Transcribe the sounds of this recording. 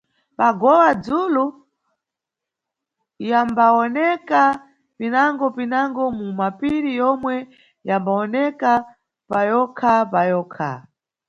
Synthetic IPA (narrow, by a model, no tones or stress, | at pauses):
paɡɔwad͡zulu | jambaɔnɛka | pinaŋɡɔpinaŋɡɔmumapiɾijɔmwɛ | jambaɔnɛka | pajɔkʰapajɔkʰa̰